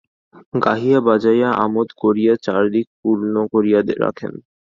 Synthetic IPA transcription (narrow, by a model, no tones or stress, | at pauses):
ɡaɦiabad͡ʑajaʔa̰mod̪koɾijat͡ɕaɾd̪ik̚puɾnokoɾijad̪eɾːa̰kʰḛn